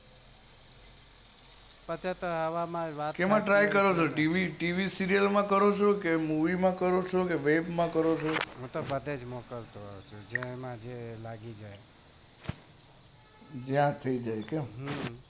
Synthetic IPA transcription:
pət͡ʃʰat̪oɦəʋamãʋakemãʈɾajkəɾot͡ʃʰoʈiʋiʈiʋisiɾijəlmãkəɾot͡ʃʰokemuʋimãkəɾot͡ʃʰokeʋebmãkəɾot͡ʃʰoɦũt̪obəd̪ʱed͡ʒmokəlt̪oɦt͡ʃʰud͡ʒemãd͡ʒelaɡid͡ʒaj | d͡ʒjãt̪ʰəid͡ʒajkemɦ

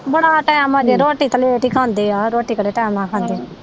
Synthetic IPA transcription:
bəɽaːʈɛːmaːd͡ʒeɾoːʈiːt̪əleeːʈiːkʰãːnd̪eːaːɾoːʈiːkəɽeːʈɛːmnaːkʰãːnd̪eː

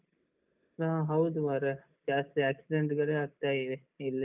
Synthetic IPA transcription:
nɐɦɐ̃ɦɐwud̪ʋaɾɐ | d͡ʒaːst̪iaːksiɖeɳʈɡɐɭeaːɡ̚t̪aːiʋe | ilːi

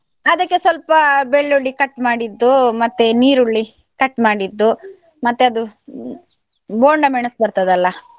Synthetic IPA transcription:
ɐd̪ɐkːesʋɐlpɐbeɭːoɭːikɐʈːmaːɽid̪ːumɐt̪ːeniːɾuɭːi | kɐʈːmaːɽid̪ːu | mɐt̪ːeɐd̪u | boːɳɖɐmeɳɐsbɐɾt̪ɐd̪ɐlːɐ

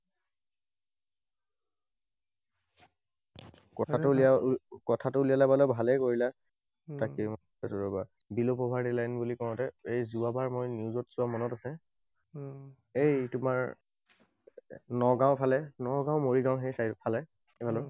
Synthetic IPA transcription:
kɔtʰatʊliakɔtʰatʊulijalabalɔbʱalɛkoɹila | takim | ɛtɔɹɔba | bilopɔbʱaɹtilajnbulikɔɹɔ̃tɛejzuabaɹmojniuzɔtz̥ʊamɔnɔtasɛ | ejtʊmaɹ | nɔɡãw̃pʰalɛnɔɡaʊ̃moɹiɡãw̃ɦesajtpʰalɛ | ebʱalɔ

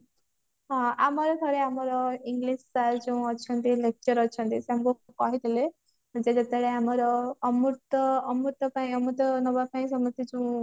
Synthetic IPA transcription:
ɦɔ̃amɔɾɔɡʱɔɾeamɔɾɔiŋɡlissald͡ʒuũɔt͡ʃʰɔnt̪ilek̚t͡ʃɔɾɔt͡ʃʰɔnt̪iseamɔkukɔɦit̪ʰele | d͡ʒed͡ʒ̪et̪eɽeamɔɾɔːmut̪ɔːmuɾt̪ɔpaĩɔmut̪ɔnɔbapaĩsɔmɔst̪id͡ʒuũ

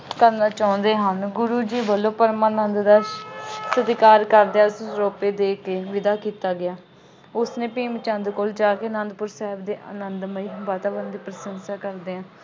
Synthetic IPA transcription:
kəɾnaːt͡ʃaːʊ̃nd̪eːɦanɡʊɾuːd͡ʒiːbəlːõːpəɾmãːnənd̪d̪aʃsəd̪ɪkaːɾkəɾd̪eaːsõsɾoːpeːd̪eːkeːʋɪd̪aːkiːt̪aːɡɪjaː | ʊsnẽːpiːmt͡ʃə̃nd̪koːld͡ʒaːkeːnənd̪pʊɾsɛːɦɪbd̪eːʔə̰nənd̪məiːʋaːt̪aːʋənd̪iːpɾəsənsaːkəɾd̪eːãː

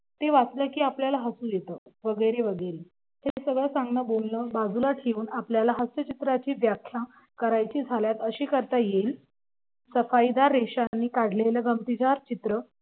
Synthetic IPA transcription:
t̪eʋat͡sləːkiːapljalaɦəsũːjet̪əːʋəɡəjɾeʋəɡəjɾe | hesəɡɭəsãŋɡnəbonləbad͡zulaʈʰeuːnapljalaɦəsət͡ɕit̪ɾat͡ɕiːʋjakʰːjã | kəɾajt͡ɕiːd͡zʱaljat̪əɕiːkəɾt̪ajel | səfaid̪aɾːeɕanːiːkaɽ̤leləɡəmt̪id͡ʑaɾt͡ɕit̪ɾə

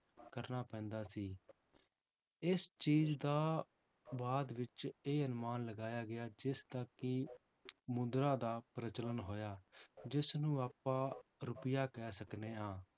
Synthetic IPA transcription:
kəɾnaːpɛ̃ːnd̪aːsiː | ɪst͡ʃiːd͡ʒd̪aː | baːd̪ʋɪt͡ʃeːənmaːnləɡaːjaːɡɪaːd͡ʒɪst̪akːɪ | mʊd̪ɾãːd̪aːpɾət͡ʃələnɦoːjaːd͡ʒɪsnũːaːpãːɾʊpɪjaːkɛːsəkneːaː

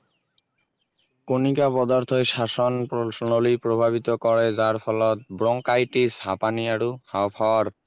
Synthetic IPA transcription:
konikapɔd̪aɾt̪ʰoeʃaʃonposonolipɾobʱaβit̪okɔɾed͡ʑaɾpʰɔlɔt̪̚bɾɔŋkajʈishapaniaɾuhawpʰaaɾ

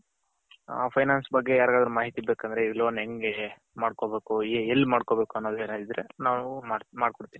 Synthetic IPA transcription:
a̰ːpʰɐjnaːnsbɐɡːe̞jaːɾɡaːd̪ɐɾumaːɦit̪ibeːkɐnd̪ɐɾeilo̞ːnɦeŋɡe | maːɽko̞ːbe̞ːkuelːimaːɽko̞be̞ːkuɐnːoːd̪ueːnaːd̪id̪ɾe̞naːʋuamaːɽkoɽt̪iːni

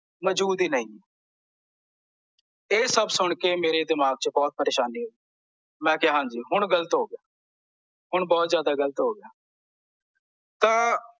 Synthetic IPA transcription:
məd͡ʒuːd̪iːnəĩː | eːsəbsʊɳkeːmeːɾeːd̪ɪmaːɡ̚t͡ʃəbɔːt̪̚pəɾeːʃaːniːɦoːi | mɛ̃ːkjːɦãːd͡ʒiːɦʊɳ̃ɡələt̪ɦoːɡɪjaː | ɦʊɳbɔːt̪zjaːd̪aːɡələt̪ɦoːɡɪjaː | t̪ãː

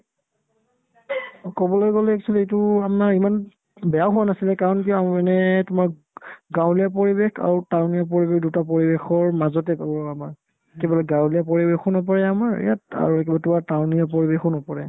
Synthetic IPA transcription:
kɔbɔlojɡɔlɛɛksʰɔliejtʊanaɹiman | bɛjaɦuwanasilɛkaɹɔnkiɔaɛnɛtʊmaɹ | ɡãwlijap̬oɹibexa̰ɹutawnijap̬ɔɹibekdutapɔɹibexɔɹmazɔtɛkɔbɔamaɹ | kebɔlɛɡãwlijapoɹibexɔnɔp̬ɔɹɛamaɹ̰ja̰ta̰ɹuɛkɛbatʊmaɹtawniapɔɹibexɔnɔpɔɹɛ̰

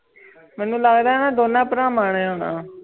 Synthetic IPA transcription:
mɛːnũːlaɡd̪aːɦɛːnaːd̪oːnãːpəɾãːmaːɳ̃ẽːɦoːnã̰ː

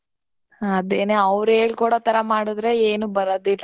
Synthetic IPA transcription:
ɐd̪eːneɐʋɾeːɭkuːɽoːt̪ɐɾɐmaːɽud̪ɾe̞eːnubɐɾod̪ilːɐ

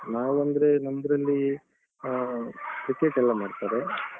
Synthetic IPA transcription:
naːʋuɐnd̪ɾe̞nɐnd̪ɐɾɐlːi | kɾikːeʈɛlːamaːɖt̪aːɾe

